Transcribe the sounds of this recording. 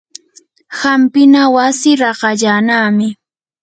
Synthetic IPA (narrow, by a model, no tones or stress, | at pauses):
xampɪnawasɪɾɑɢɑʎaːnaːmɪ